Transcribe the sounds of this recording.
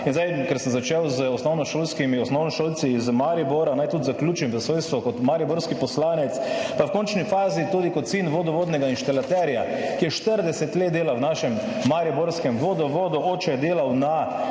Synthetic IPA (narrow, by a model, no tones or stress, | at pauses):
inzd̪ajkɛɾsəmzat͡ʃɛwzəɔsnɔwnɔʃoːlskimiɔsnɔwnɔʃoːlt̪siːzmaɾibɔɾanajt̪ut̪zakljuːt͡ʃimzəsʋoːjst̪ʋɔkɔt̪maɾibɔɾskipɔslaːnɛt̪spawkont͡ʃnifaːzit̪uːd̪ikoɔt̪sinʋoːd̪ɔʋoːd̪nɛɡainʃt̪alat̪ɛɾja | kijɛʃt̪əɾd̪ɛsɛt̪leːt̪̚d̪eːlawnaːʃɛm | maɾibɔɾskɛmʋoːd̪ɔʋoːd̪ɔoːt͡ʃɛd̪eːlawna